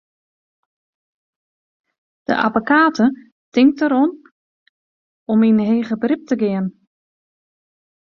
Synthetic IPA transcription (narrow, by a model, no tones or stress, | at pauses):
d̥ə̰ʔa̰bokaːtʰə | tɪŋk̚təɾɔn | ɔminɦeːɣəbrɪp̚təɡɪən